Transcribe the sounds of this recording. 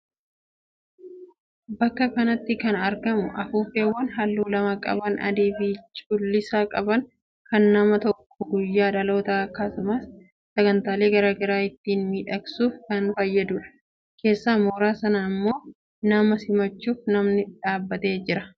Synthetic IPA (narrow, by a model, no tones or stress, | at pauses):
bɐkːɐkɐnɐt̪ːɪkɐnɐɾɡɐmʊʔɐfuːfe̞ːwːɐnɦɐlːuːlɐmɐkʼɐ̰bɐnʔɐ̰d̪eːbiːt͡ʃʼʊlːɪsaːkʼɐbɐn | kɐnːɐmɐt̪ɔkːɔɡʊjːaːᶑɐlo̞ːt̪aɐkːasʊmɐs | sɐɡɐnt̪aːle̞ːɡɐɾaːɡɐɾaːɪt̪ːiːnmiːᶑɐksuːfkɐnbaːjːɐd̪uːᶑɐ̥ | kʰe̞ːsːaːmoːɾaːsɐnɐɪmːo̞ː | nɐmɐsɪmɐt͡ʃːuːfnɐmnɪᶑaːbːɐt̪e̞ːd͡ʒɪɾɐ